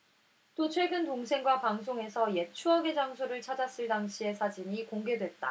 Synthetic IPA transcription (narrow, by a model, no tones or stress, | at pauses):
t͈ot͡ɕʰwe̞ɡɯntoŋsʰe̞ŋɡwapaŋs̬ʰoŋe̞sʰʌje̞t͡ɕʰuɦaɡe̞d͡ʑaŋsʰoɾɯɭt͡ɕʰad͡ʑas͈ɯɭdaŋɕʰie̞sʰad͡ʑiɲikoŋɡe̞dwe̞t̚t͈a̰